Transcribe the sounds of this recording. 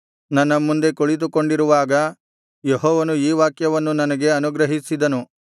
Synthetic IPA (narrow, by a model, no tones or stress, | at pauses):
nɐnːɐmːund̪e̞koɭit̪uko̞ɳɖiɾuʋaːɡɐ | jeɦɔːʋɐnuiːʋaːkjɐʋɐnːunɐnɐɡe̞ɐnuɡɾɐɦisid̪ɐnu